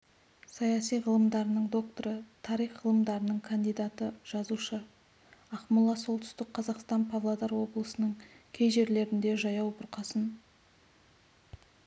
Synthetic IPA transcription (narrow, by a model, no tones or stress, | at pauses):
sɑjɑsijʁəlˠəmd̪ɑɾənəɴd̪o̞k̚t̪oɾət̪ʰɑɾijχʁəlˠəmd̪ɑɾənəɴkʰand̪ijd̪at̪əʒ̥ɑzuʃə | ɑqmʊlˠːɑso̞lˠt̪ʏ̥st̪ɪk̚qʰɑzɑqst̪ɑnpʰavlˠad̪ɑɾwo̞blˠəsənəɴkʲʰe̞jʒe̞ɾle̞ɾɪnd̪e̞ʒɑjɑwbʊɾqɑsən